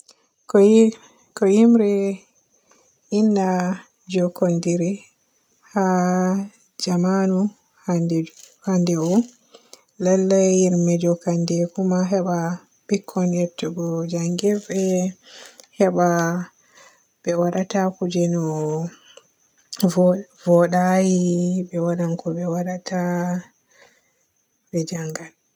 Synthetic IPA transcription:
k | kɔjimɾɛ | inda | d͡ʒɔkɔndiɾi | ha | d͡ʒamanu | hahandɛwɔ | lɛlːajiɾmɛd͡ʒɔkandɛkumaɦɛɓa | bikʰːɔnjɛtʰːɛɡɔd͡ʒaŋɡɛvɛ | hɛɓa | bɛwaɗatakud͡ʒɛnɔ | vɔɗajibɛwaɗankɔɓɛwaɗatʰa | bɛd͡ʒaŋɡal

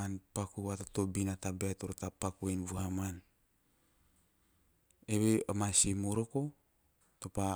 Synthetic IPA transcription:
anpakuatatobinatabeatoɾtapakuenβuɦaman | eβeamasimoɾoko | topa

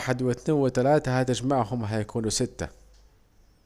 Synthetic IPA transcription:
ħɪd̪wɪt̪neːnwɪt̪alaːt̪ahat̪ɪd͡ʒmaʕɦʊmɦajakʰuːnusɪt̪ːa̰

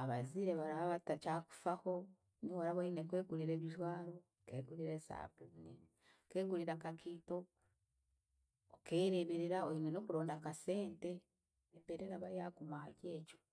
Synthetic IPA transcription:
aβaziɾeβaɾaaβatacaːku̥faho̞ | niwaɾaβainekwe̞ːɡuliɾeːβitwaːɾo̞ | keːɡuliɾesa̰ːbune | ke̞ːɡuliɾakakito̞ | keːɾeβeɾiɾaoinweno̞ːkuɾo̞ːndakase̞ːnte̞ | βebeɾeɾaβajakumwahace̞ːco̥

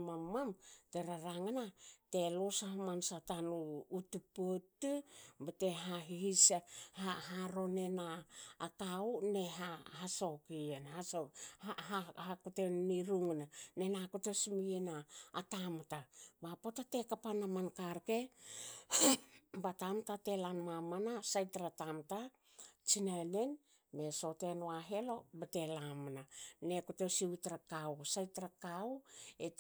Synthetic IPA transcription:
mamːamte̞ɾaɾaŋanate̞losahamansatanuːtupotubate̞ɦaɦihishahaɾo̞ne̞naːkauneɦaɦasokienhasoaahakuteniɾuŋnane̞nakutesmienaːtamtabapo̞tate̞kapanamankaɾke̞ | batamtate̞lanmamanasajtɾatamta | t͡ʃinane̞n | me̞so̞te̞noaɦe̞lo̞bete̞lamanane̞kotosiutɾakawsajtɾakawe

